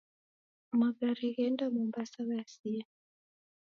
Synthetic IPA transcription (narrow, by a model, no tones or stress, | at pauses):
maɡaɾiɣɛndamɔmbasaɣasia